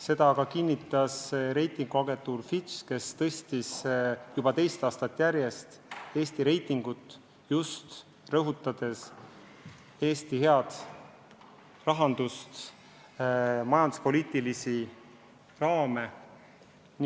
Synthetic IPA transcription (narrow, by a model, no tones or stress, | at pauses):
se̞d̪ɑkɑkinʲːit̪ːˑɑsɾe̞jt̪ːˑiŋɡ̥uɑɡe̞nt̪ˑuːrfit͡ʃke̞st̪ɤst̪isjub̥ɑt̪e̞jst̪ɑːst̪ɑt̪ːˑjæɾje̞st̪e̞ːst̪iɾe̞jt̪ːˑiŋɡ̥ut̪ːˑ | just̪ | rɤɦut̪ːˑɑd̪̥e̞s | e̞ːst̪ihe̞ɑd̪̥ | rɑɦɑnd̪̥ust̪ | mɑjɑnd̪̥u̥spo̞liːt̪ːˑilisi | rɑːme̞ | n